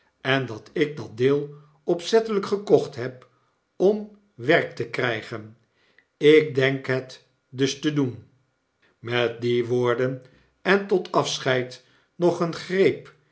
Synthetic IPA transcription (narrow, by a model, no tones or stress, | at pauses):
ɛndɑtɪk̚dɑt̚dɪːlˠ | ɔpsɛtələkχəkɔχtɦɛp | ɔm | ʋɛrk̚təkrɛjχən | ɪk̚dɛŋkɦɛt | dɵstədun | mɛt̚diʋoːɹdən | ɛntɔtɑfsχɛjt | nɔχənχrejp